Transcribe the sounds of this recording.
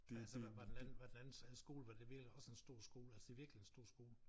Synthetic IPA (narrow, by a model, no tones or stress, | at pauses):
ælsəʋɑ̈d̥enænn̩ʋɑd̥enænn̩sæðsɡ̥o̝̰ːləʋɑ̈d̥e̝ʋiɐɡ̥liɒ̽səe̝nsd̥o̝ɐ̰sɡ̥o̝ːlælsəd̥e̝ʋiɐɡ̥lie̝nsd̥o̝ɐ̰sɡ̥o̝ːlə